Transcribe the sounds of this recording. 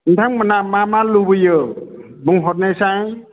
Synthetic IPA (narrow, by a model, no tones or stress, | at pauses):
ntʰaŋmanamamalubɯjɯ | bɯŋɦɔt̚najsaŋ